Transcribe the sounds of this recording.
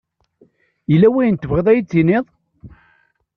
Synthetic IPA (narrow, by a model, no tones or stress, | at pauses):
jəlːæwæjənt̪ːəvʁeðˤæjit͡sːinɪðˤ